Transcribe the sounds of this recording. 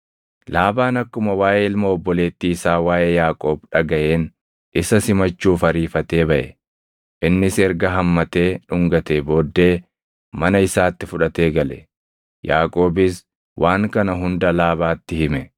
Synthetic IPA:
laːbaːnɐkːʊmɐwaːʔeːɪlmɐɔbːɔle̞ːt̪ːisaːwaːjʔeːjaːkʼo̞ːbᶑɐɡɐʔe̞ːn | ʔɪsɐsɪmɐt͡ʃːuːfɐɾiːfɐt̪e̞ːbɐʔɛ̰ | ʔɪnːɪsɛɾɡɐɦɐmːɐt̪e̞ːᶑʊŋɡɐt̪eːbo̞ːd̪ːe̞ː | mɐnɐɪsaːt̪ːɪfʊᶑɐt̪e̞ːɡɐlɛ̰ | jaːkʼo̞ːbɪs | wʔaːŋkɐnɐɦʊnd̪ɐlaːbaːt̪ːɪhɪmɛ

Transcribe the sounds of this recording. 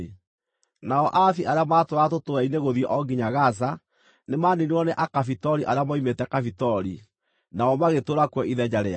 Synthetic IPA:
naɔʔaθiʔaɾeamatoɾatotoɾaineɣoðiɛʔɔɡiɲaɣas̬a | nemaːneniɔneʔakafitɔɾiʔaɾeamaimetɛkafitɔɾi | naɔmaɣetoɾakwɔiðɛd͡ʑaɾea̰

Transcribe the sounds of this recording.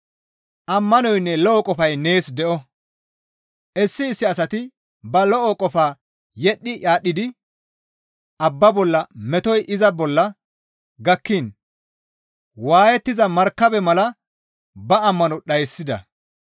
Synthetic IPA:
ʔɐmːɐnɔjnːɛlɔʔɔkʼɔfɐjne̞ːsd̪ɛʔɔ | ʔɛsːɪːsːɪɐsɐt̪ɪ | bɐlɔʔɔkʼɔfaː | jɛɗːɪʔaːɗɪd̪ɪ | ʔɐbːɐbɔlːɐmɛt̪ɔjʔɪzɐbɔlːɐ | ɡɐkːɪn | waːjɛt̪ːɪzɐmɐɾkːɐbɛmɐlɐ | bɐɐmːɐnɔɗɐjsːɪd̪ɐ̰

